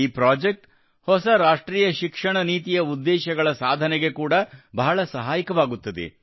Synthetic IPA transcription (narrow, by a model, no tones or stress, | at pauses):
iːpɾaːd͡ʒek̚ʈ | hɔsɐɾaːʂʈɾiːjɐʃikʂɐɳɐniːt̪ijɐud̪ːɛːʃɐɡɐɭɐsaːd̪ʱɐnɛɡe̞kuːɽɐbɐɦɐɭɐsɐɦaːjikɐʋaːɡut̪ːɐd̪ḛ